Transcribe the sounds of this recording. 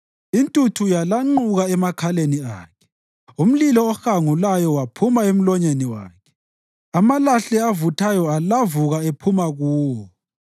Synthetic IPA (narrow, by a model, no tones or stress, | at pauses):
intʼutʰujalaŋ͡ǃuɣaɛmakʰaleniaːkʰɛ̥ | um̩lilɔːxaŋulajɔwapʰumaem̩lɔɲeniwa̰ːkʰɛ̥ | amalaɬɛavutʰajɔalavuɣaepʰumaɣuːwɔ